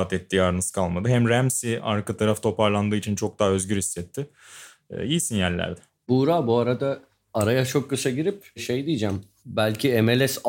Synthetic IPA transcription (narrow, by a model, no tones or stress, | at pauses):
t̪ʰɛt̪ːiːaːɾɯnɯskʰalˠmad̪ɯɦæmɾæmsiaɾkat̪ʰaɾaft̪ʰo̞paɾlˠand̪ɯːit͡ʃʰint͡ʃʰo̞k̚d̪aɦaø̞zɟyɾhisːɛt̪ʰːɪ̰ | ijsinjæɾlʲæ̰ɾd̪ɛ | buɾaːbuaɾad̪aː | ɾajat͡ʃʰo̞kːɯsaɟiɾipʃejd̪ijːd͡ʒæm | bælʲcʰiemelʲɛs